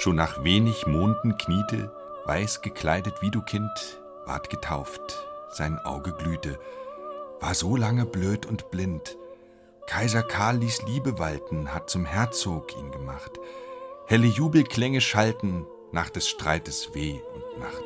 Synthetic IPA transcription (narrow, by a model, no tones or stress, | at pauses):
ʃoːnːaːχveːnɪçmoːndn̩kʰniːtʰə̰ | va̰ɪsɡ̥əkʰl̥a̰ɪdətv̥iːduːkʰɪnt | v̥a̰ɐtɡ̥ətʰaʊftz̥aɪnʔa̰ʊɡəɡlyːtə | v̥aːɐzoːlaŋəbløːtʊntb̥lɪnt | kʰaɪzɐkʰaɐlːiːsliːbəvaltn̩hat̚t͡sʊmhɛɐt͡soːkḭːnɡəmaχthɛləjuːbl̩kʰl̥ɛŋəʃaltn̩ | naːχd̥ɛsʃtʁ̥aɪtəsv̥eːʊntnaχt